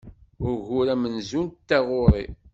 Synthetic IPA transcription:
ʊɾʝʊɾæmənzunt̪t̪ːæʁʊɾˤḭ

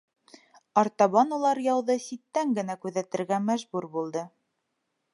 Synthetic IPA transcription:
ɑɾt̪ɑβɑnulˠɑɾjɑwðɤsit̪ːæŋɡɘ̆nækʉðæt̪ɘ̆ɾɡæmæʒbuɾbulˠd̪ɤ

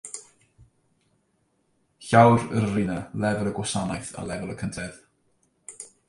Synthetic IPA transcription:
çawrərrɪnalˠɛvəlˠəɡwasanajθa̰lˠɛvəlˠəkʰəntʰɛð̥

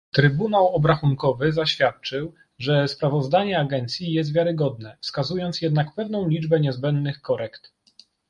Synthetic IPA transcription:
t̪ɾɘbunawɔbɾaxuŋkɔvɘzaɕfʲjat̪̚t͡ʂɘw | ʐɛspɾavɔzd̪aɲɛaɡɛnt̪sʲjijɛs̬t̪vʲjaɾɘɡɔd̪nɛfskazujɔnt̪sjɛd̪nakpɛvnɔ̃w̃lʲid͡ʐbɛɲɛzbɛnd̪nɘxkɔɾɛkt̪

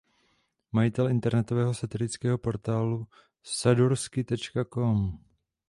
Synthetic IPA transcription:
majɪt̪ɛlɪnt̪ɛɾnɛt̪ovɛːɦo̞sat̪ɪlɪt͡skɛːɦo̞po̞ɾt̪aːlu | saduɾskɪt̪ɛt͡ʃkako̞m

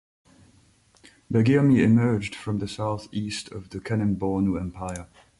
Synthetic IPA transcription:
bɛɡiəmiɪmɜ˞d͡ʒd̥fɹʌ̃mðɨsaʊθistʰʌvðɨkʰænɨ̃nbɔnuɛ̃mpʰaɪə˞

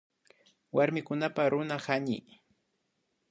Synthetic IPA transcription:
waɾmɪkʊnapaɾʊnahaɲɪ̰

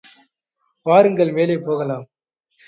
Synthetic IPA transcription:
ʋaːɾɯŋɡɐɭmeːleːpoːɣɐlaːm

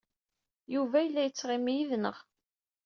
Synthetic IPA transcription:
juvæjəlːæjət͡sːʁɪmijiðnə̰ʁ

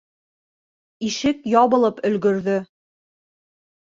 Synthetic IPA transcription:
iʃɘkjɒβɤ̆lˠɤpɵ̆lɡɵ̆ɾðɵ

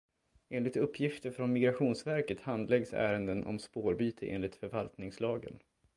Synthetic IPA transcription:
eːnlɪkt̪ɵpʰːjɪft̪əɾfɾɔnmɪɡɾaɧuːnsvæɾkət̪hand̪lɛɡsæ̰ːɾənd̪ənʔɔ̰mspoːɾbyːt̪ʰəʔḛːnlɪt̪fœɾvalt̪nɪŋslɑːɡə̰n

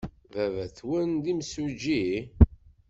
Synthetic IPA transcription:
vævæθwənd̪imsud͡ʒi

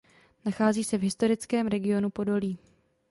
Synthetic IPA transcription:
naxaːziːsɛvɦɪst̪o̞ɾɪt͡skɛːmɾɛɡɪo̞nupo̞do̞liː

